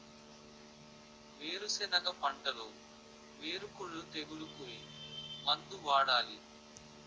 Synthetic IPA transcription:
ʋeːɾusɛnɐɡɐpɐɳʈɐlu | ʋeːɾukuɭut̪eɡuɽukuimɐnd̪uʋaːɽaːli

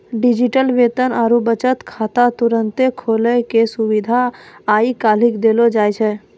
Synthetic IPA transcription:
ɖid͡ʒiʈəlʋet̪ənaːɾubət͡ʃət̪kʰaːt̪at̪uɾənt̪ekʰoləkesuʋid̪ʱaːikalɪkd̪elod͡ʒajt͡ʃʰɛ

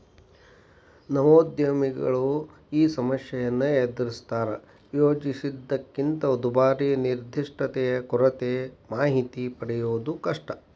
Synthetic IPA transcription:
nɐʋoːd̪jɐmiɡɐ̰ɭu | iːsɐmɐsjɐjɐnːɐed̪ɾist̪aːɾɐ | joːd͡ʒisid̪ːɐkːint̪ɐod̪ubaːɾiniɾd̪ʱiʂʈɐt̪ɛjɐkuɾɐt̪emaːɦit̪ipɐɽɛjoːd̪ukɐʂʈɐ

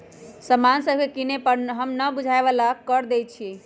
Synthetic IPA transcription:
səmansəbʱkekinepəɾɦəmnəbud͡ʒʱaeʋəlakəɾd̪et͡ʃʰi

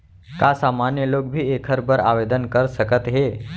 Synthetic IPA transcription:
kasamanjəlok̚bʱiːekʰəɾbəɾa̰ʋed̪ənkəɾsəkət̪ɦe

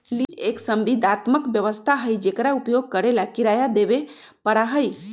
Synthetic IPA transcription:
lid͡ʒeksəmbid̪ʱat̪məkbjəʋəst̪ʰaɦəjd͡ʒekɾaupjoɡ̚kəɾelakiɾajad̪ebe | pəɽaɦəj

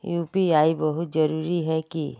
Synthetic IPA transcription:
jupiajbɔɦut̪d͡ʒɔɾuɾiɦɛki

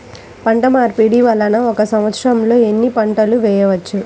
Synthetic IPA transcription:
pɐɳʈɐmaːɾpiɽiʋɐlːɐnɐɔkɐsɐmʋɐt̪sɾɐmlo̞ːe̞nːipɐɳʈɐluʋɛːjɐʋɐt͡ʃːu

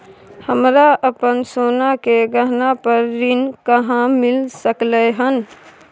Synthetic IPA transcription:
həmɾaʔəpənsonakeɡəɦnapəɾːinkəɦãmilsəkləɦən

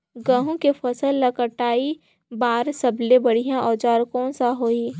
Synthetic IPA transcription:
ɡə̃ːɦõkefʰɐsəlːɐkəʈaːi | baːɾsɐblebɐɽijãʔɔːd͡ʒaːɾkɔːnsaɦoːi

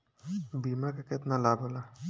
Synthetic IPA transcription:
biːmakeket̪nalaːbʱɦola

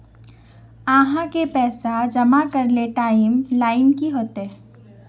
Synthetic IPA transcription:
aːɦãkepɛːsad͡ʒɐmakɐɾleʈaːɪmlaːɪnkiɦoːt̪ɦɛː

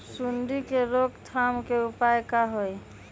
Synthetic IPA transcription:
sunɖ̪ikeɾokt̪ʰamkeupaekaɦoj

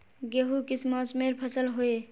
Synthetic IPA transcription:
ɡeɦukismasmeɾpʰəsəlɦoe

